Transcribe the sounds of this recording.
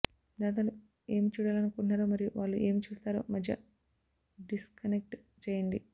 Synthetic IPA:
d̪aːt̪̬ɐlu | e̞ːmit͡ʃuːɽaːlɐnukunɳːaːɾoːmɐɾijuʋaːɭːuʔe̞ːmit͡ʃuːst̪aːɾo̰ːmɐd̪ʱjɐ̰ | ɖiskɐnek̚ʈ | t͡ʃeːjɐɳɖi

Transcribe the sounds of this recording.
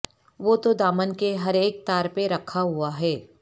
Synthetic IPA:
ʋoːt̪od̪aːmənkeɦɐɾeːk̚t̪aːɾpeɾɐkʰːaɦuaɦɛː

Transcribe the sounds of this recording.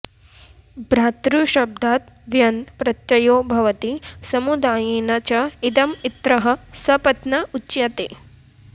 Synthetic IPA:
bɾaːt̪ɾuʃɐb̚d̪ʱaːt̪̚ | ʋjɐnpɾɐt̪jɐjoːbʱɐʋɐt̪isɐmud̪aːjeːnɐt͡ʃɐid̪ɐmit̪ɾɐɦɐ̆sɐpɐt̪nɐut͡ʃjɐt̪eː

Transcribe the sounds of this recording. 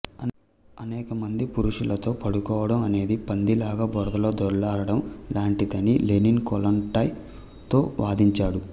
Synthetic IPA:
ɐn | ɐnɛːkɐmɐnd̪ipuɾuʂulɐt̪o̞ːpɐɽukɔːʋɐɽɐmɐne̞ːd̪ipɐnd̪ilaːɡaːbɔɾd̪ɐlo̞ːd̪ɔɾɐlaːɾɐɽɐmlaːɳʈit̪ɐnileninkɔlɐnʈɐj | t̪o̞ːʋaːd̪iɲt͡ʃaːɽu

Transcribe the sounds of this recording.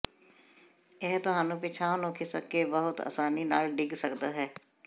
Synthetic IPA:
eɦt̪ʊɦaːnũːpɪt͡ʃʰaːnõːkʰɪsə̰kːebəɦʊt̪a̰ːsaːniːnaːlɖɪɡsəkd̪aːɦɛː

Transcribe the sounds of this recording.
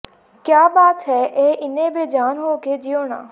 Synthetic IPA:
kjaːbaːt̪ɦɛːʔeːʔɪnẽbed͡ʒaːnɦoːked͡ʒɪjoːna̰ː

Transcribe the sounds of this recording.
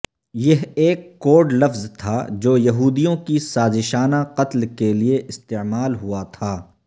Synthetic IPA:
jɐɦeːkːoːɖlɐfzt̪ʰad͡ʒoːjɐɦuːd̪ijõkisaːzɪʃaːnaqɐt̪lkelieʔɪst̪eːmaːlɦʊat̪ʰaː

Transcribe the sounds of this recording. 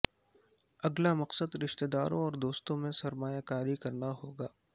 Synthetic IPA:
ɐɡlamɐqsəd̪ɾɪʃt̪ed̪aːɾõɔːɾd̪oːst̪õmẽsɐɾmaːjakaːɾikɐɾnaɦoːɡaː

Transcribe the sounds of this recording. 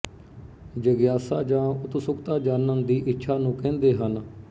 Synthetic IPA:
d͡ʒəɡjaːsaːd͡ʒãːʊt̪sʊkt̪aːd͡ʒaːnənd̪iːʔɪtːʃʰaːnũːkɛ̃ːnd̪eːɦən

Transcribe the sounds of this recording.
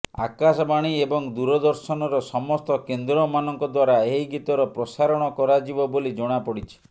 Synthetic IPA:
a̰kasɔbaɽ̃iebɔŋd̪uɾɔd̪ɔɾsɔnɔɾɔsɔmɔst̪ɔkend̪ɾɔmanɔŋkɔd̪waɾaeɦiɡit̪ɔɾɔpɾɔsaɾɔɽ̃ɔkɔɾad͡ʒibɔbolid͡ʒɔɽ̃apɔɽit͡ʃʰi̥

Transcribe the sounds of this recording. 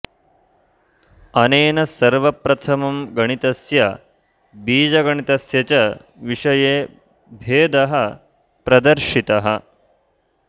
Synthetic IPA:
ɐneːnɐsɐɾʋɐpɾɐt̪ʰɐmɐmɡɐɳ̃it̪ɐsjɐ | biːd͡ʒɐɡɐɳit̪ɐsjɐt͡ʃɐ | ʋiʂɐjeː | bʱeːd̪ɐɦɐ | pɾɐd̪ɐɾʃit̪ɐɦɐ

